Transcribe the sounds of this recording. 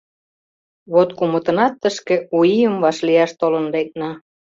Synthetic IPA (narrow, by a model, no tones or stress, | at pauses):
βot̪kumə̆t̪ə̆nɑt̪ːəʃkeuiəmβɑʃlijɑʃt̪olənlek̚nɑ